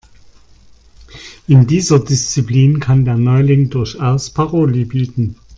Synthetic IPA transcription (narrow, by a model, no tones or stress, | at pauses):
ʔɪndiːzɐdɪst͡sipliːnkʰandeːɐnɔʏlɪŋdʊɐçʔɛɐstpʰaʁoːlibiːtn̩